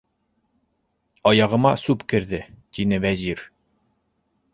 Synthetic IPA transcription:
ɑjɑʁɤ̆mɑsʉpkɘ̆ɾðɘt̪inɘvæzʲiɾ

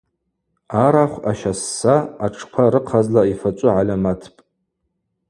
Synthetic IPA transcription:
aɾaχʷa̰ʃasːaːʈ͡ʂʰpʷʰaɾɨqʰazlaifat͡ʃʷʼʊʕalʲamatʰpʼ

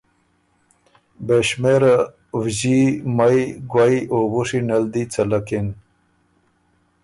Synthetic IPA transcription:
beɕmeɾ | wʑimajɡwajobuʂinald̪it͡salakin

